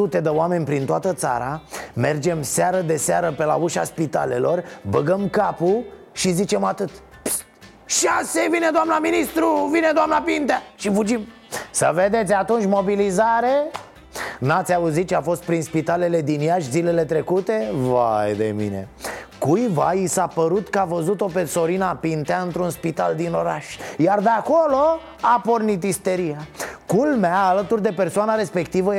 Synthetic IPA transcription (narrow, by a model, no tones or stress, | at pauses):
ut̪e̞d̪əoame̞nʲpɾint̪oat̪ət̪sa̰ɾame̞rd͡ʒe̞mseaɾəd̪e̞seaɾəpe̞la̰uʃa̰spit̪a̰le̞lo̞rbəɡəmkapu | ʃizit͡ʃe̞mat̪ɨt̪ | p | ʃasevine̞d̪oamnaminist̪ɾuvined̪oamnapint̪aʃifud͡ʒim | səve̞d̪e̞t̪sʲat̪unt͡ʃʲmo̞bilizaɾe̞ | nat̪sʲauzit̪̚t͡ʃeafo̞st̪̚pɾinspit̪ale̞le̞d̪injaʃʲzile̞le̞t̪ɾe̞kut̪e̞va̰jd̪ḛmḭne̞̰kujvaisapəɾut̪kəavəzut̪o̞pe̞so̞ɾinapint̪eaɨnt̪ɾunspit̪ald̪ino̞ɾaʃʲjard̪eako̞lo̞ | apo̞rnit̪̬ist̪e̞ɾijakulmeaːlət̪urd̪e̞pe̞rsoanaɾe̞spe̞kt̪ivə